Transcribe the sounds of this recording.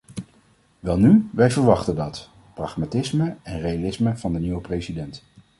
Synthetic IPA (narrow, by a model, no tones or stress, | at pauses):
ʋɛlˠnyʋɛjvəɹʋɑχtəndɑt | prɑχmatɪsməɛnrejalɪsməv̥ɑndəniʋəprejsidɛnt